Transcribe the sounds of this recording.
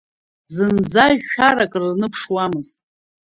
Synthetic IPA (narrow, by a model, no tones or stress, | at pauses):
zɨnd͡zaʒːᶣaɾakʼrnɨpʰʂwamɨztʼ